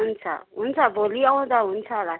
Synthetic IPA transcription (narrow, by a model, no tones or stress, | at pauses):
un̩t͡sʰa̰ɦun̩t͡sʰaboliaʊ̃d̪aɦun̩t͡sʰala